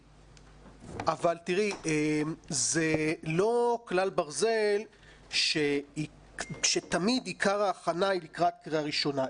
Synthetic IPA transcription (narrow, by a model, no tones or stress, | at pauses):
avalt̪iʁiemzelo̞klalbaʁze̞l | ʃe | ʃe̞t̪amid̪ikaʁaːχanailikʁat̪̚kʁiaʁiʃo̞na